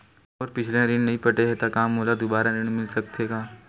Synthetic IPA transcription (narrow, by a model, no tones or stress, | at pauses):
ɔːɾpɪt͡ʃʰlẽɾɪñnɐɦĩpɐʈeɦet̪akaːmɦoːlad̪ʊbaːɾaɾɪñmɪlsɐk̚t̪ʰeɡaː